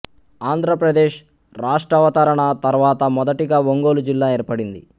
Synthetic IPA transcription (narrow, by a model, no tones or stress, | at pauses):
aːnd̪ʱɾɐpɾɐd̪eːʃ | ɾaːʂʈɾɐʋɐt̪aːɾɐɳɐt̪ɐɾʋaːt̪ɐmɔd̪ɐʈiɡaːʋoŋɡoːlud͡ʒilːaːeːɾpɐɽind̪ḭ